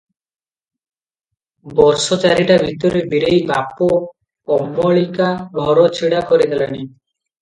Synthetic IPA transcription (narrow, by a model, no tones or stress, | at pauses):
bɔɾsɔt͡ʃaɾiʈabʱit̪ɔɾebiɾejbapo | kɔmːɔɭikabʱɔɾɔt͡ʃʰiɽakɔɾid̪ʱelani